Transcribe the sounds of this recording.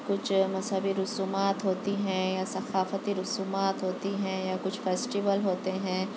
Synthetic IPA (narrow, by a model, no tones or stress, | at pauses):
kʊt͡ʃʰmɐzɦəbiɾʊsuːmaːt̪ɦoːt̪iɦɛ̃jasɐxaːfət̪iɾʊsuːmaːt̪ɦoːt̪iɦɛ̃jakʊt͡ʃʰfeːsʈiʋəlɦoːt̪eɦɛ̃ː